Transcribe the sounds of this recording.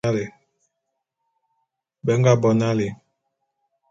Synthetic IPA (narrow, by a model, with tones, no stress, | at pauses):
a˦le˨ | bɛ˨˦ŋ˦ɡa˦˨bɔ˨na˦le˨